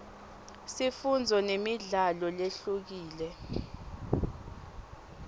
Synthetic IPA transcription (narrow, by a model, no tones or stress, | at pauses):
sifund͡zʱɔnemiɮalɔleɬuk̬iːlɛ